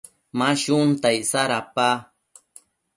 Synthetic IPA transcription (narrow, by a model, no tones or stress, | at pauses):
maʃʊnt̪ajsaɾapa